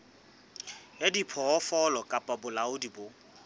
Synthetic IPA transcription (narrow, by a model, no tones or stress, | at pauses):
adipʰɔɔfɔlɔkʼapʼabʊlaʊdibo